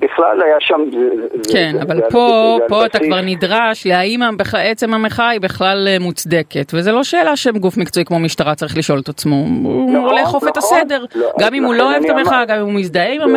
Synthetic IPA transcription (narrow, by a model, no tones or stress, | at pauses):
biχla̰lajaʃamzkenavalpo̞po̞at̪akvaʁnidʁaʃleaimabiχaet͡se̞mameχaibeχlalmut͡sd̪eke̞tvezelo̞ʃe̞ːlaʃemɡufmikt͡sojikmo̞miʃtaʁat͡saʁiχliʃo̞let̪at͡smouoleχofet̪asede̞ʁɡamimhulo̞oet̪ameχaɡamimumisd̪aeimam